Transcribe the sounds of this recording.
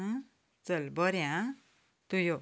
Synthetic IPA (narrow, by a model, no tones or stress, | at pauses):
t͡sʌlbʌɾjã | t̪ujo